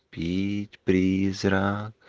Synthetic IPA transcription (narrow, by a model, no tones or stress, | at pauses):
piːt̪pɾiːzɾak